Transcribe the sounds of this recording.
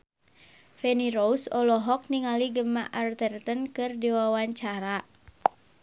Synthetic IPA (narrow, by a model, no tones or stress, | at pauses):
fɛniɾousɔlɔɦɔk̚niŋaliɡəma̰ʔart̪ərt̪ənkɨrdiwawaɲt͡ʃaɾa